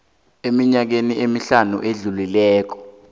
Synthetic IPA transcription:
emiɲak̬eniemiɬanṵʔeɮulilɛːk̬ɔ̥

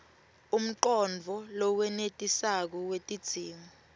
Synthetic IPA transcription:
um̩ǃɔnd͡vʱɔlɔk̬wɛnetʼisak̬ɔwetʼid̥z̥ʱiːmɔ

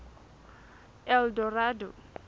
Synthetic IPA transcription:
ɛldɔradɔ

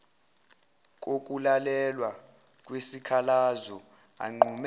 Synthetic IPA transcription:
k̬ʼok̬ʼulalɛlwa | kʼwesikʰalazɔ | a̰ŋ͡ǃʱum

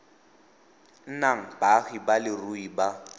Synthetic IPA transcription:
n̩naŋ̩baɣibalɪruiba

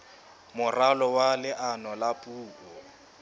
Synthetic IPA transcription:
mʊralɔwalɪʔanɔlapʼuːkɔ

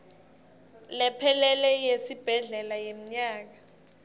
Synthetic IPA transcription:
lɛpʰɛlɛlɛjesib̥ʱɛɮɛlajem̩ɲaːk̬a

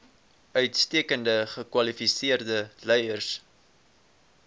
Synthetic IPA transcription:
œɥtstiəkəndəχəkwɐlifisiərdəlɛjərs

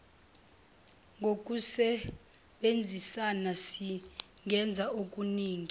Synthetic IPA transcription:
ŋɡʱok̬ʼusɛ | ɓend͡zʱisanasiŋʱɛnd͡zʱaok̬ʼuniːŋi

